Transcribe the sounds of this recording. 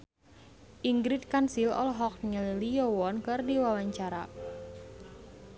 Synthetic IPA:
ʔiŋɡɾit̪̚kansilɔ̰lɦɔk̚ɲəlilijɔwɔnkɨrdiwawaɲt͡ʃaɾa

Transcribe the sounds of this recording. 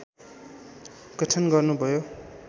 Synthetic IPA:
kʌʈʰʌnɡʌrnubʱʌjo

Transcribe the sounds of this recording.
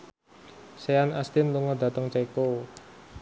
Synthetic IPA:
seanast̪ɪnluŋɔd̪̥a̤t̪əŋt͡ʃeko

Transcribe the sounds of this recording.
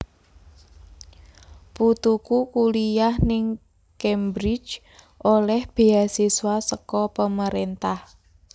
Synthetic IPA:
put̪ukukulijahnɪŋ | kɛmbɾɪ̥d͡ʒ | ʔolɛhb̥e̤asiswasəkɔpəməɾent̪ah

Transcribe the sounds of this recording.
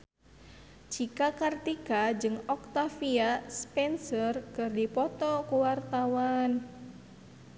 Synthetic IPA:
t͡ʃikakart̪ikad͡ʒɨŋɔkt̪afiaspɛnsərkɨrdipɔt̪ɔkuwart̪awan

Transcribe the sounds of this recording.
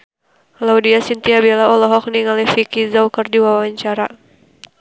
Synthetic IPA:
laudiasint̪iabilaɔlɔɦɔk̚niŋalifikizawkərdiwawaɲt͡ʃaɾa

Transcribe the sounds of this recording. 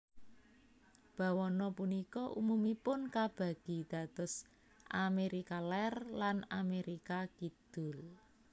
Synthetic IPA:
b̥a̤wɔnɔpunikɔʔṵmumipʊnkab̥a̤ɡ̥i̤d̪̥a̤d̪̥ɔ̤s | ʔameɾikalɛrlanameɾikakid̪̥ʊ̤l

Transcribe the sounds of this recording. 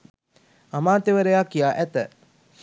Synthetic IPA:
amaːt̪eʋəɾejakːijaːʔæt̪ə

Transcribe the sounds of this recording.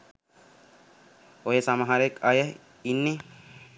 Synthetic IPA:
ojəsaməɦaɾəekajə | inːe

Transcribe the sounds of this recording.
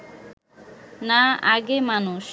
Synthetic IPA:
naaɡemanuʃ

